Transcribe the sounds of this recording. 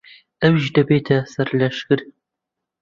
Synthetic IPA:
ɐwʒdɐbeːtʰɐsɐrlɐʃxɨr

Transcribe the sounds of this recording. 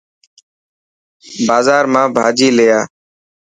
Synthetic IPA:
baːzaːɾmãːbʱaːd͡ʒiːleːjaː

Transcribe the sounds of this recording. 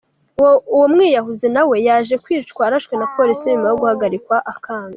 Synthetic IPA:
uwomŋiːjaɦuzenawe̞jaːʒe̞kwiːt͡ʃkwaːɾaʃkwe̞napʰo̞ɾisiɲumajoɡuhaɡaɾikwaʔakʰaːŋɡa

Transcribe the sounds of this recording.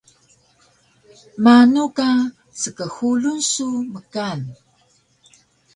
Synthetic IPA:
manuka | t͡səkəxulunsuməkan

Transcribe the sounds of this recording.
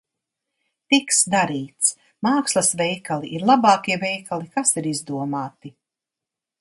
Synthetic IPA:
t̪iksd̪aɾiːt̪s | maːkslˠɐsvʲɛjkalˠiʔiɾlˠabɑːkiɛvɛjkʰalˠikasiɾizd̪uɔmaːt̪i

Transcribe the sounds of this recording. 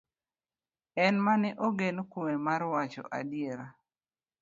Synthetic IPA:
ɛnmanɛʔoɡenokumemarwat͡ʃɔ̰ʔa̰dɪeɾa

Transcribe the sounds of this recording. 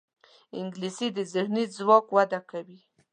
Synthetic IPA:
ɪŋɡlisid̪əzɪxnizwɑkwad̪akawi

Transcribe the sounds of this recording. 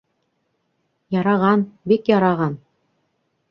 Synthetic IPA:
jɑɾɑʁɑnbikjɑɾɑʁɑn

